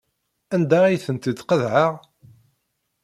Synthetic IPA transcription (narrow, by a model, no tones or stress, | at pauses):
ænd̪aijθənt̪əd̪qəðʕaʁ